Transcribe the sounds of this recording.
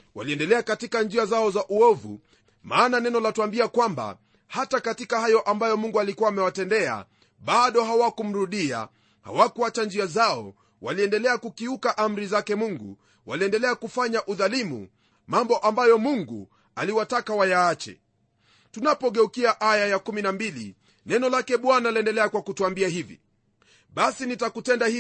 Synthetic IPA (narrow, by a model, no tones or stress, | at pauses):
wa̰liɛndɛlɛakatikand͡ʒiazaɔzaʔuɔvṵ | maːnanɛnɔlatuambiakwamba̰ | hatakatikahajɔʔambajɔmuŋɡualikuaːmɛwatɛndɛa̰ | ɓaɗɔɦawakum̩ɾuɗia̰ | ha̰wakuat͡ʃand͡ʒiazaɔ̰ | waliɛndɛlɛakukiukaʔam̩ɾizakɛmuŋɡṵ | wa̰liɛndɛlɛakufaɲaʔuðalimṵ | mambɔʔambajɔmuŋɡṵ | aliwatakawajaːt͡ʃɛ̰ | tunapɔɠɛukiaʔajajakuminambilḭ | nɛnɔlakɛɓwanaliɛndɛlɛakwakutuambiaɦivḭ | ɓasinitakutɛndahi